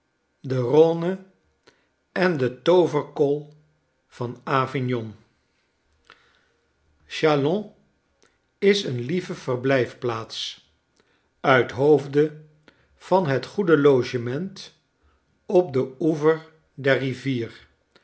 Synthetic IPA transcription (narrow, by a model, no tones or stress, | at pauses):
dəronə | ɛndətowvəɹkɔlˠ | v̥ɑnaːvɪnjɔn | ʃalɔ̃ | ɪsənlivəv̥ərblɛjfplaːts | œɥtɦowvdə | v̥ɑnɦətχudəlowʒəmɛnt | ɔp̚dəuvəɹ | dɛɹriviːr